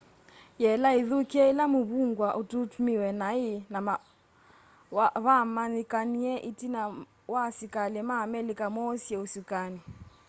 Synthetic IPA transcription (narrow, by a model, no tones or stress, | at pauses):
jɛlaiðukiɛilamuβuŋɡwaʔututumiwɛnainama | βamanikaniɛʔitina | wasikalɛmaːmɛlikamɔsjɛusukani